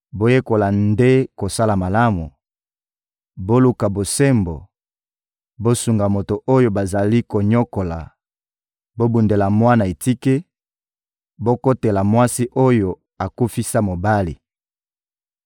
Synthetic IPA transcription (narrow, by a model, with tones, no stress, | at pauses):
bo˦je˦ko˨la˨nde˦ko˨sa˦la˨ma˨la˦mu˨ | bo˦lu˦ka˨bo˨se˦mbo˨ | bo˦su˨ŋɡa˨mo˨to˨ʔo˦jo˨ba˨za˨li˦ko˨ɲo˦ko˨la̰˨ | bo˦bu˨nde˨la˨mwa˦na˨e˨ti˦ke˦ | bo˦ko˦te˨la˨mwa˦si˦ʔo˦jo˨ | a˨ku˦fi˦sa˦mo˨ba˦lḭ˨